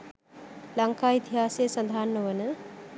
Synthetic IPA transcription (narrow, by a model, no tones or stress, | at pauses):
lɐŋkaːit̪iɦaːsejsɐnd̪ʱaːnːəʋənə